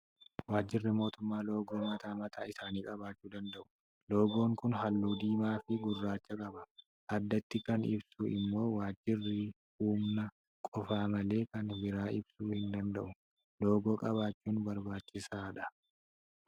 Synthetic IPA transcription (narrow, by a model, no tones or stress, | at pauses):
waːd͡ʒːɪrːɪmo̞ːt̪ʊmːaːlo̞ːɡoːmɐt̪aːmɐt̪ʰaːɪsaːniːkʼɐbaːt͡ʃːuːd̪ɐnd̪ɐʔʊ̥ | lo̞ːɡo̞ːŋkʊnɦɐlːuːd̪iːmaːfɪɡʊrːaːt͡ʃːɐkʼɐbɐ | ʔɐd̪ːɐt̪ːɪkɐnɪ̰bsuʔɪmːo̞ːwaːd͡ʒːɪrːɪ | uːmnɐ | kʼɔfaːmɐle̞ːkɐnbɪɾaːʔɪbsuːhɪnd̪ɐnd̪ɐʔʊ | lo̞ːɡo̞ːkʼɐβaːt͡ʃːuːnbɐɾbaːt͡ʃːɪsaːᶑɐ̥